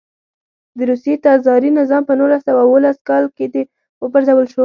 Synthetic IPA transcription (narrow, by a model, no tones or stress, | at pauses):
d̪əɾusjet̪ɑzɑɾinɪzɑmpənulasawawəlaskɑlked̪e | wəpəɾzawəlʃo